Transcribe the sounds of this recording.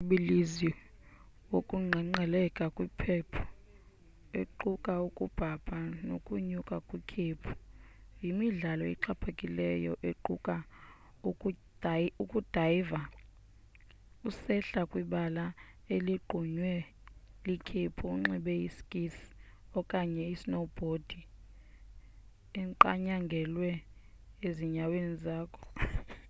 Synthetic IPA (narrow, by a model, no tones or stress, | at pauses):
ɓilizi | wokʼuŋ͡ǀʱɛŋ͡ǀɛlɛkʼakʼwipʰɛpʰɔ̥ | eǃukʼaukʼub̥ʱab̥ʰʱʼanokʼuɲukʼakʼwikʰeːpʰu̥jimiɮalɔḭǃapʰakʼilɛjɔʔeǃukʼa | ukʼudukʼud̥ʱajva | usɛɬakʼwiɓala | eliɡ͡ǃʱuɲwɛ | likʰipʰuːŋ͡ǁɛɓɛjiskʼis | ɔkʼaɲɛisnob̥ʱod̥ʱi | ɛŋǃa̰ɲaŋɡʱɛlwɛ | eziɲawenizaːkʰɔ̥